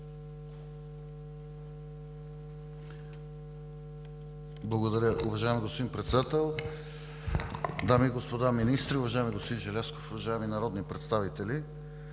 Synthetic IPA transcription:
blˠɐɡod̪ɐɾʲəʔʊvɐʒaɛmiɡospod̪inpɾɛt̪sɛd̪at̪ɛlˠ | d̪amiɡospod̪aminist̪ɾiʊvɐʒajmiɡospod̪inʒɛlʲɛskofʊvɐʒaɛminɐɾɔd̪nipɾɛt̪st̪avit̪ɛli

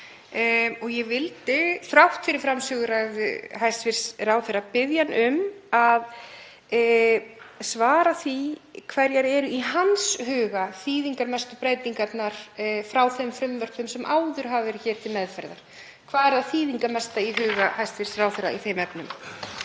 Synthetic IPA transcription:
ɔɣjɛvɪlt̪ɪθɾawht̪fɪɾɪɾ̥fɾamsʏːɣʏɾajðʏ̰ɦajst̪vɪɾ̥sraːwθɛrapɪðjanʔʏmað | svaːɾaθvikʰvaɾjaɾɛɾʏʔiɦanshʏːɣaθiːðiŋkaɾmɛst̪ʏpɾaːjt̪iŋkat̪naɾ̥fɾawθɛmfɾʏmvœɾ̥p̪ʏmsɛmʔaːwðʏɾ̥ɦavvɛɾʏçɛːɾ̥t̪ʰɪlmɛðfɛɾða̰ɾ̥ | kʰv̥aːðɛɾðaðθiːðiŋkamɛst̪aiɦʏːɣahajst̪vɪɾ̥srawθɛɾa̰iθejmɛpnʏm

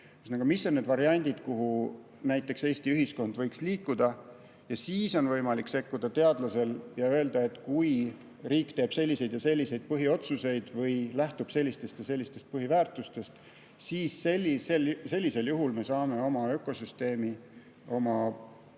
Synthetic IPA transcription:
ysnɑɡ̥umisːo̞nːed̪vɑɾiɑnʲd̪̥ʲid̪̥kuɦu | næjt̪ːˑe̞kse̞ːst̪iyɦisko̞nd̪̥vɤjksliːkːud̪̥ɑ | jɑsiːso̞nvɤjmɑlikːse̞kːud̪̥ɑt̪e̞ɑd̪lɑse̞ljɑø̞eld̪ɑe̞t̪ːˑkuj | riːkt̪e̞ːb̥se̞lʲːise̞jd̪̥jɑse̞lʲːise̞jd̪̥̚pɤɦio̞t̪suse̞jd̪̥vɤjlæht̪ub̥se̞lʲːist̪e̞st̪jɑse̞lʲːist̪e̞st̪̚pɤɦivæːrt̪ˑust̪e̞st̪ | siːsːelʲːiselse̞lʲːise̞ljuɦulme̞sɑːme̞o̞mɑø̞kːˑo̞syst̪e̞ːmi | o̞mɑ

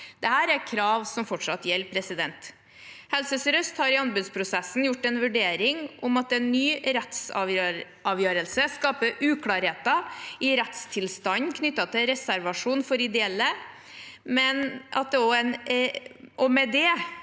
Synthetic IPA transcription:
d̪̥ɛhæːɾæɾkʰɾɑːʋsɔmfɔʈʂɑt̪jɛlːpʰɾɛsɪd̪ɛnt̪ | hɛlsəsɾœst̪hɑɾɪɑnbʉd̪spʰɾʊsɛsn̩jʊʈːɛnʋʉɖeːɾɪŋʔʊmɑt̪ɛnːyːɾɛt̪sɑ | ɑːʋjøːɾəlsəskɑːpəʔʉːkʰlɑːɾheːt̪ɑɪɾɛt̪st̪ʰɪlst̪ɑnkʰnʏt̪ːɑt̪ʰɪlɾɛsæɾʋɑʂuːnfɔɾɪd̪ɛɛlːə | mɛnʔɑ̰t̪̚d̪ɛɔɛn | ɔmɛd̪ɛ

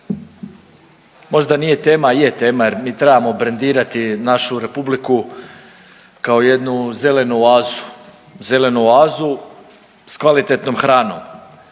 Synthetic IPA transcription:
mo̞ʒd̪anije̞t̪eːmajet̪e̞ːmajeɾmiːt̪ɾebamo̞bɾend̪iːɾat̪inaʃuɾe̞publiku | kao̞je̞d̪nuze̞le̞nuaːzu̥ | ze̞le̞nuaːzu | skʋalit̪e̞t̪nomxɾaːno̞̰m

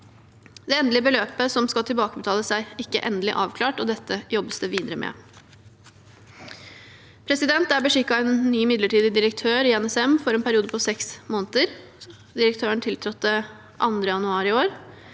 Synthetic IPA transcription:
d̪ɛːɛnd̪lɪəbəløːpəsɔmskɑlt̪ʰɪlbɑːkəbət̪ʰɑːləsæɪɪkːə̰ʔɛnd̪əlɪ̰ʔɑːʋkʰlɑːʈɔd̪ɛt̪ːəjɔbːəsd̪əʋiːd̪əɾəmʔɛ̰ː | pʰɾɛsɪd̪ɛnt̪æbəʂɪkːɑɛnːyːmɪd̪ləʈiːd̪ɪd̪ɪɾək̚t̪ʰøːɾɪɛnɛsɛmfɔɾɛːnpʰæɾɪuːd̪əpʰɔsɛksmoːnət̪əɾ | d̪ɪɾəkt̪ʰøːəɳt̪ʰɪlt̪ʰɾɔt̪ːə | ʔɑ̰nd̪ɾəjɑnʉɑːɾɪoːɾ

